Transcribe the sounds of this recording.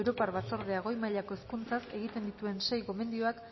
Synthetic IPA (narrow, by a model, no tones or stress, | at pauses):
wɾo̞paɾβat͡so̞ɾð̞eaɣ̞o̞jmaʎako̞eskunt͡sase̞ɣit̪e̞nd̪it̪ue̞nse̞jɣo̞me̞nd̪io̞ak